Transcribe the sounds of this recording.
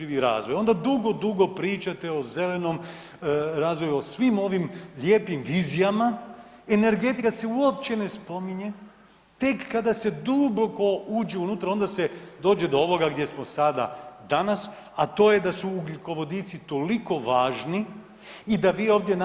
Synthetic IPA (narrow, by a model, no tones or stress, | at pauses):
iʋiɾa̰ːzʋo̞jo̞nd̪ad̪uɡo̞d̪uɡo̞pɾiːt͡ʃat̪eo̞ze̞le̞no̞m | ɾaːzʋojuosʋimo̞ʋimʎʲeːpimʋiːzijama | ene̞ɾɡe̞t̪ikase̞uop̚t͡ɕe̞ne̞spo̞miɲe̞ | t̪e̞kːad̪ase̞d̪uboko̞uːd͡ʒeunut̪ɾao̞nd̪ased̪o̞ːd͡ʒed̪ooʋo̞ɡaɡd̪je̞smo̞sad̪a̰d̪anas | at̪o̞ːje̞d̪asuːɡliko̞ʋo̞d̪it̪sit̪o̞liko̞ʋaːʒniː | d̪aʋiːoːʋd̪je̞n